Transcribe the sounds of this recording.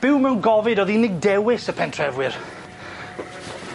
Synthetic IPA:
b̥ɪwmɛwnɡɔvɪdɔðinɪɡ̚dɛwɪsəpʰɛntʰrɛvwɪr

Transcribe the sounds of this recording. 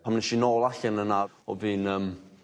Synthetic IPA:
amnɛʃinoːlˠaɬɛnəna | ɔ̰viːnəːm

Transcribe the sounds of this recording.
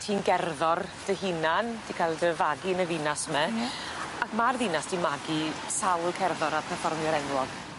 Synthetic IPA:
tʰiːnɡɛrðɔrd̥əhinand̥ikʰalˠdəvaɡinəvɪnasmɛ | akmarðɪnasd̥imaɡisawlˠkʰɛrðɔɾarpʰɛfɔrmɔɾɛnwɔð

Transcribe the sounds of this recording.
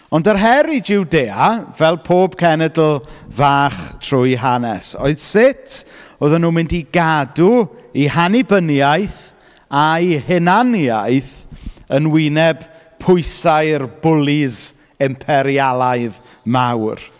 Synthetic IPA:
ɔndərɦɛɾid͡ʒɪwdeːavɛlˠpʰoːb̥kʰɛnɛdl̩ˠvaːχtʰrʊjɦanɛso̰ɨð̥sɪtʰoðɔnuːmɪndiɡaduihanibənjajθ | ajhɛnanjajθənwɪnɛb̥ | pʰʊɨsajrbʊlˠɪz | ɪmpʰɛɾialˠaɨð | mawr

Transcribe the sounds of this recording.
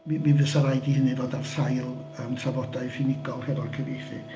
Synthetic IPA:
miminvəsaɾajdihənɨvoːdarsajlˠ | əmtʰravɔdaɨfinɪɡɔlˠhɛvɔrkʰəviχi

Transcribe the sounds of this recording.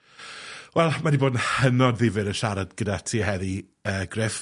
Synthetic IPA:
wɛlˠmadiboːdn̩hənɔdðɪvɨɾənʃaɾadɡ̥ədatʰiːɦɛði | əːɡrɪf

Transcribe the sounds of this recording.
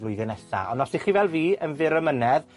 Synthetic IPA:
vlʊɨðɨnɛsa̰ɔnɔsdiχiːvɛlˠviːənvɪɾəmənɛð

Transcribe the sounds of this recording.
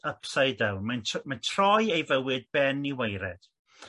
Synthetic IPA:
əpʰsajdɛwnmanʰmantʰrɔjejvəwɨd̚bɛniwejɾɛd̥

